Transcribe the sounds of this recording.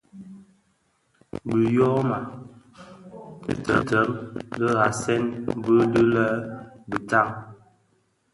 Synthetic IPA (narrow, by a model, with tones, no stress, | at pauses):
bə˨jɔ˦ma˨ | ə̰˨tə˨tə˨˦mlə˦ɣa˨sɛ˦nbə˦də˦lə˦bə˨ta˦˨ŋ